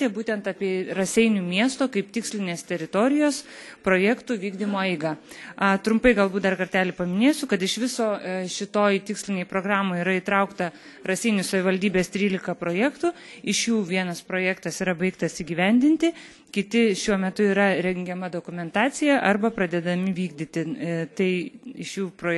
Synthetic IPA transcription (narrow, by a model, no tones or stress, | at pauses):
t̪ʲebuːt̪ʲɛnt̪ɑːpʲiɛrɐsʲɛɪnʲumʲiɛst̪oːkɐɪpt̪ʲɪksʲlʲɪnʲeːst̪ʲɛɾʲɪt̪oːɾʲɪjoːspɾoːjɛːkt̪uʋʲiːɡd̪ʲɪmoːɛɪɡɐɐt̪ɾʊmpɐɪɡɐlˠbuːt̪̚d̪ɐrkɐɾʲt̪ʲæːlʲɪpɐmʲɪnʲeːsʲʊkɐt̪ɪʃʋʲɪsoːʃʲɪt̪oːjt̪ʲɪksʲlʲɪnʲɛɪpɾoːɡɾɑːmoːiɾɐit̪ɾɐʊkt̪ɐ | ɾɐsʲɪɪnʲʊsɐʋʲɪʋɐlʲd̪ʲiːbʲeːst̪ʲɾʲiːlʲɪkɐpɾoːjɛːkt̪uː | ɪʃjuːʋʲiɛnɐspɾoːjæːkt̪ɐsiɾɐbɐɪkt̪ɐsiːɡʲiːʋʲɛnʲd̪ʲɪnʲt̪ʲɪ | kʲɪt̪ʲɪʃʲuɔmʲɛt̪ʊiːɾɐɾʲɛŋʲɡʲɛmɐd̪oːkʊmʲɛnt̪ɑːt͡s̪ʲɪjɛʔɐrbɐpɾɐd̪ʲɛd̪ɐmʲɪʋʲiːɡ̚d̪ʲɪt̪ʲɪt̪ɐɪɪʃjuːpɾoː